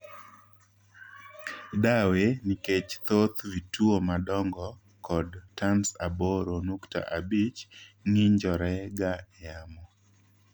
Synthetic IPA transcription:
daweniket͡ʃt̪ot̪vituomadɔŋɡɔ | kɔdtansaboɾonukta̰ʔabit͡ʃŋiɲd͡ʒɔɾɛɡajamɔ

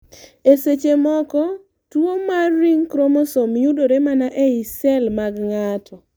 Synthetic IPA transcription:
eset͡ʃemɔkɔ | twomarːiŋkɾomosomjudoɾemanaʔɛisɛlmaɡŋatʰɔ

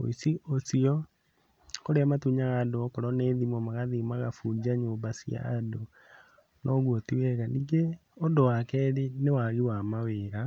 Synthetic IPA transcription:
o̰isiʔosiɔ | koɾeamatuɲaɣadoɔkɔɾɔneːðimɔmaɣaðimaɣafud͡ʒaɲoːmbasia̰do | nʔɔɣwotiwɛɣaniɡeɔndowakɛːɾenewaɣiwamaweːɾa

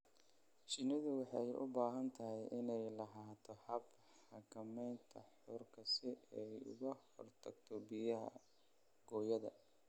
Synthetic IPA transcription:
ʃɪnɪðʊwɑħɑjʔʊ̰baːɦɐnt̪ʰɐɦɛjʔɪnɛjlɐɦaːt̪ʰɔhɐb | ħɑkʰɐmɛjnt̪ʰɐħʊrkʰɐsɪɛjʊ̰ɣɐhɔrt̪ʰɐɡt̪ʰɔbɪjɐɦɐ̰ | ɡ̥ɔːjɐðɐ̰

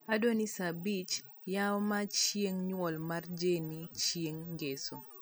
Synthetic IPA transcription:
adonisabit͡ʃ | jawmat͡ʃjeŋɲwɔlmard͡ʒenit͡ʃjeŋɡeso

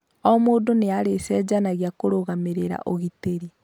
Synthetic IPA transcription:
ɔmoːdoneaɾesɛd͡ʑanaɣjakoɾoɣameɾeɾa̰ʔoɣiteɾi

